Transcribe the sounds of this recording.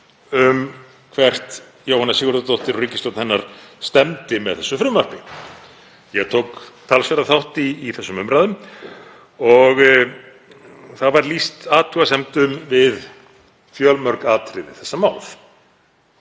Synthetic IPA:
ʏm | kʰvɛr̥t̪ | joːwhanasɪːɣʏɾðʏt̪owht̪ɪɾrʏcːɪst̪ɔwt̪nhɛnːaɾ̥st̪ɛmt̪ɪmɛ̰ðθɛsːʏfɾʏmœr̥pɪ | jɛɣt̪ʰowkt̪ʰalsvɛɾaθawht̪iːθɛsːʏmʏmɾaːðʏm | ɔɣ | θaðvaɾlist̪aːt̪ʰuasɛmt̪ʏmvɪð | fjœlmœɾkaːt̪ɾɪðɪ̰θɛsːamaːwlf

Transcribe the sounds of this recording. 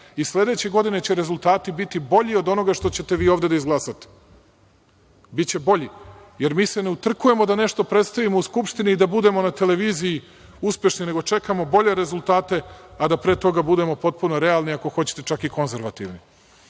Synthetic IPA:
isle̞d̪e̞t͡ɕe̞ɡo̞d̪ine̞t͡ɕeɾezulˠt̪aːt̪ibit̪ibo̞ʎio̞d̪o̞no̞ɡaʂt̪o̞t͡ɕe̞t̪e̞ʋiːoʋd̪e̞d̪aizɡlˠasat̪e̥ | bit̪t͡ɕe̞bo̞ʎijeɾmiːse̞ne̞ut̪r̩kuje̞mo̞d̪ane̞ʃt̪o̞pɾet̪st̪aʋimouskupʃt̪iniːd̪abud̪e̞monat̪e̞le̞ʋiːzii | uspʲje̞ʃnine̞ɡo̞t͡ʃe̞kamo̞bo̞ʎe̞ɾe̞zulˠt̪aːt̪e̞ad̪apɾeːt̪o̞ɡabud̪e̞mo̞po̞t̪̚punoɾe̞alniako̞xo̞t͡ɕe̥t̪e̞t͡ʂakiko̞nze̞ɾʋat̪ḭʋni

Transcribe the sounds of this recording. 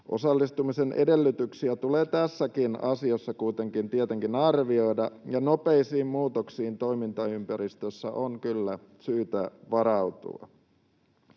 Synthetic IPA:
ʔo̞̰sɑlːist̪umisenʔḛde̞lːyt̪yksiæt̪ule̞ːt̪æsːækinɑsiosːɑkujt̪e̞ŋkint̪iet̪eŋkinɑrʋio̞jdɑjɑno̞peisiːmmuːt̪oksiːnt̪o̞imint̪ɑympæɾist̪øsːæʔoŋkylːæ | syːt̪æʋɑɾɑut̪ṵɑ̰

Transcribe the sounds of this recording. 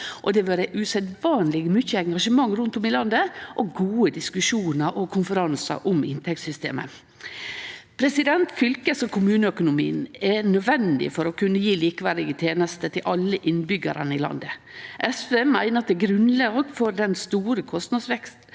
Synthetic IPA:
ʔɔd̪ɛʋøːɾəʔʉsɛd̪ʋɑːnlɪɡəmʏçəɛŋɡɑʂəmɑŋːɾʉnt̪ʊmɪlɑnd̪əʔɔɡuːəd̪ɪskʉʂuːnəɾʔɔkʰʊnfəɾɑnsɑ̰ɾʔʊmɪnt̪ʰɛk̚t̪sʏst̪ḛːmə̰ | pʰɾɛsɪd̪ɛnt̪fʏlkəsɔkʰʊmʉːnəœkʊnʊmḭːnɛnœd̪ʋɛnd̪ɪ̰fɔɾɔkʰʉnːəjiːliːkʋæɾd̪ɪɡət̪ʰjeːnəst̪ət̪ʰɪlʔɑlːəʔɪnbʏɡə̰ɾə̰nəɪlɑ̰nd̪ə | ʔɛsfɛmæɪnət̪d̪ɛɡɾʉnlɑːɡfɔɾd̪ɛnst̪uːɾəkʰɔst̪nɑd̪sʋɛkst̪

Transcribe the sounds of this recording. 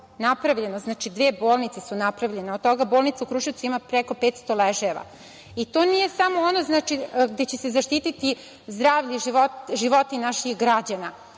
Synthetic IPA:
napɾaʋʎe̞noznaːt͡ʃid̪ʋeːbo̞ːlˠnit̪sesunapɾaʋʎe̞neot̪t̪o̞ɡaboːlˠnit̪aukɾuʃiwtsuimapɾeko̞pe̞ːt̪st̪oleʒeʋa̰ | it̪o̞nije̞samoonoznaːt͡ʃiɡd̪et͡ɕesezaʃt̪iːt̪it̪i | zd̪ɾaːʋʎiʒiʋotʒiʋo̞t̪inaʃixɡɾad͡ʑana

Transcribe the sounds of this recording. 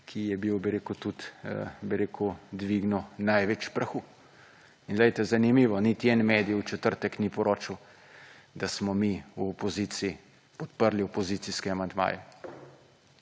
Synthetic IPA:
kʰijɛbiwbiɾeːkut̪ut̪biɾeːkud̪ʋiɡnɔnajʋɛt͡ʃpɾɐxu | inɡlɛjt̪ɛzanimiːʋɔnit̪iɛnmeːd̪ijut͡ʃɛt̪əɾt̪ɛknipɔɾʔoːt͡ʃiw | d̪asmɔmiuɔpɔziːt̪sii | pɔt̪pəɾliɔpɔziːt̪siskɛamand̪ma̰ːjɛ

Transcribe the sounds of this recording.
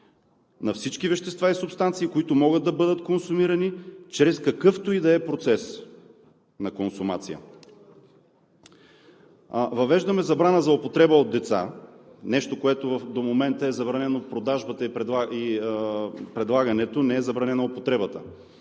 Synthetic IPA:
nɐfsit͡ʃk̟ivɛʃt̪ɛst̪vaisʊpst̪ant̪siːkoit̪omɔɡəd̪̚d̪ɐbɤd̪ət̪konsumiɾɐnit͡ʃɾɛskɐkɤft̪oid̪ɛɛpɾot̪sɛs | nɐkonsʊmat̪sijə̰ | vɐvɛʒd̪ɐmɛzɐbɾanəzɐopot̪ɾɛbəod̪d̪ɛt̪sa̰nɛʃt̪okoɛt̪ovɐfd̪omomɛnt̪əɛzɐbɾɐnɛnopɾod̪aʒbət̪əipɾɛai | pɾɛd̪lˠaɡɐnɛt̪onɛɛzɐbɾɐnɛnoopot̪ɾɛbət̪ə

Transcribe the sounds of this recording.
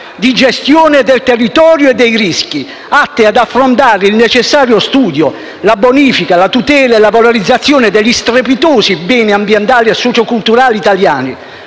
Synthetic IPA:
d̪id͡ʒɛst̪joːned̪ɛlt̪ɛrːit̪ɔːɾjoɛd̪ːɛjɾiski | at̪ːɪad̪afːɾont̪̬aːɾɪilnet͡ʃɛsːaːɾjost̪uːd̪jo | laboniːfikalat̪ut̪ɛːlaɛlavaloɾid̪zːat̪sːjoːnɪd̪ɛʎːist̪ɾepit̪oːsibɛːniambjɛnt̪aːliɛsːɔt͡ʃokult̪uɾaːlit̪aljaːnḭ

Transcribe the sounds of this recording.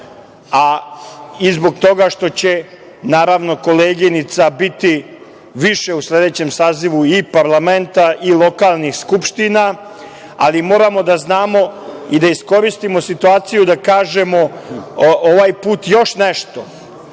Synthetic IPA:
a | izbo̞ɡt̪o̞ɡaʃt̪o̞t͡ɕe̞ | naːɾaʋno̞ko̞leːɡinit̪sabit̪i | ʋiʃe̞usle̞d̪e̞t͡ɕemsaːziʋuipaɾlˠame̞nt̪aʔilˠo̞kaːlˠnixskupʃt̪ina | alimo̞ːɾamo̞d̪aznaːmo̞id̪aisko̞ɾist̪imo̞sit̪uaːt̪sijud̪akaːʒe̞mo̞ | ʔoʋaːjpuːt̪jo̞ʃneʃt̪o̞

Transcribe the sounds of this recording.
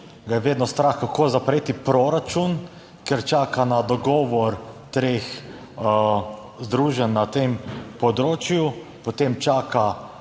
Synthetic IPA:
ɡajɛʋeːd̪nɔst̪ɾaxkakʰoːzapɾeːt̪ipɾoɾat͡ʃun | kɛɾt͡ʃaːkanad̪ɔɡɔːʋɔɾt̪ɾeːx | zd̪ɾuːʒɛnːat̪empɔd̪ɾoːt͡ʃjupoɔt̪emt͡ʃaːka

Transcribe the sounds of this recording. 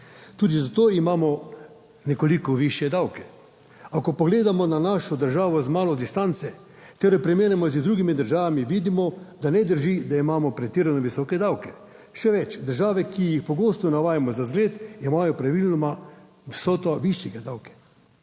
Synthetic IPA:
t̪uːd̪izat̪oːimaːmɔ | nɛkolikɔʋiʃjɛd̪awkɛ | akɔpɔɡleːd̪amɔnanaʃɔd̪əɾʒaːʋɔzmaːlɔd̪ist̪ant̪sɛ | t̪ɛɾɛpɾɛmeːnɛmɔzd̪ɾuːɡimid̪əɾʒaːʋamiʋid̪imɔd̪anɛd̪əɾʒid̪aimaːmɔpɾɛt̪iːɾanɔʋisɔːkɛd̪awkɛ | ʃɛʋɛt͡ʃd̪əɾʒaːʋɛkijixpɔɡoːst̪ɔnaʋaːjamɔzazɡleːt̪imajɔpɾaʋilnɔma | ʋsɔːt̪ɔʋiʃjɛɡad̪awkɛ̥

